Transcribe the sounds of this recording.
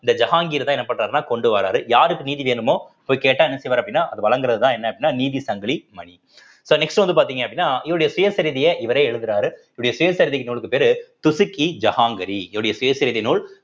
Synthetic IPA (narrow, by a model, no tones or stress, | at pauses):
ɪnd̪ɐd͡ʒɐɦaːŋɡiːɾt̪ãːɛnːɐpːɐɳraːɾnaːkɔɳɖɯʋaːɾaːɾɯjaːɾɯkːɯniːðiʋeːnɯmoːɪpːoːjkeːʈːãːɛnːɐsɛjʋaːɾɐpːɽɪnːaːʔɐðɯʋɐɭɐŋɡɯɾɐðɯt̪ãːɛnːɐɐpːɐɽɪnːaːniːðisɐŋɡɐɭimɐɳi | soːnɛksʈɯʋɐnd̪ɯpaːɾt̪iːŋɡɐɐpːɐɽɪnːaːɪʋːɐɽjɐsʊjɐsɐɾɪðɪjɐʔɪʋɐɾeɛɻɯðɯɾaːɾɯɪʋɐɽɐjɐsʊjɐsɐɾɪðɪkːɯnuːɭɯkːɯpeːɾt̪ʊsɯkːid͡ʒɐhaːŋɡɐɾiɪɽɐjɐsʊjɐsɐɾɪðɪnuːɭ